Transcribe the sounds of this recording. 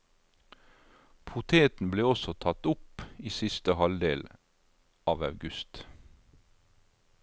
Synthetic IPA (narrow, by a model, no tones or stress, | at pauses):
pʰʊt̪ʰeːt̪n̩bleːɔsɔt̪ʰɑt̪ʊpiːsɪst̪əhɑld̪eːl | ʔɑːʋɑʉɡʉst̪